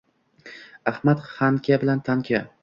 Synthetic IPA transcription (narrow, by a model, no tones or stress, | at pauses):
ahmat̪χamkʲʰabɪlant̪ʰaŋkʲʰa